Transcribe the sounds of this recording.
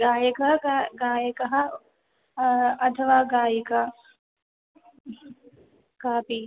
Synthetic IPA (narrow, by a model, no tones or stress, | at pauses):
ɡaːjɐkɐɦaɡaːjɐkɐɦɐ | ɐt̪ʰɐʋaːɡaːjɐkɐ | kaːpi